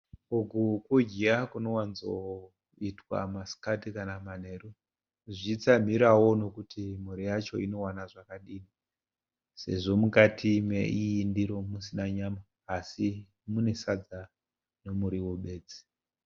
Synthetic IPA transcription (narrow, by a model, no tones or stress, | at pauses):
uɡukud͡ʒiakuno̞wanzo | itwa̰masi̥katikanaman̤e̞ːru | ʐit͡sam̤iɾawo̞no̞kutimuɾijat͡ʃo̞ino̞wanaʐakaɗiːni | se̞̰ʐo̞mukatʰimḛiːndiɾo̞musinaɲamaː | si | mune̞sad͡za | no̞muɾiwoɓe̞ːd͡zi̥